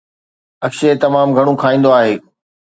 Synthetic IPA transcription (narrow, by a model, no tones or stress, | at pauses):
ɐkʃet̪ɐmaːmɡʱɐɽ̃ũkʰaːĩːn̆d̪oaːɦeː